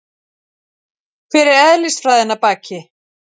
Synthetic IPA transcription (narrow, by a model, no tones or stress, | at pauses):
fɪɾɪɾɛðlist̪fɾaðɛnːapaːcɪ